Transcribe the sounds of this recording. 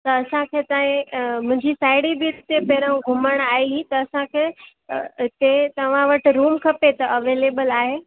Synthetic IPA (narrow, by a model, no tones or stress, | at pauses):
t̪ɐɐsãkʰeːt̪aːɦĩmʊ̃ɦɪ̃ɲd͡ʑisaːɪɽibiɾɪt̪ebeːɾə̃ɡʱʊməɽ̃aːiit̪ɐːsãkʰeː | t̪et̪ɐʋ̤ãʋɐʈ̆ɾuːmkʰɐpet̪ɐʔɐʋeːleːbəlaːɦeː